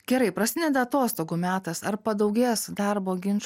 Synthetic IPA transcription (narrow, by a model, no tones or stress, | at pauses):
ɡ̥ʲɛɾɐɪpɾɐsʲɪnʲɛd̪ʲɛɐt̪oːst̪oːɡuːmʲæːt̪ɐsɐɾpɐd̪ɒʊɡʲeːsd̪ɐɾboːɡʲɪnt͡ʃ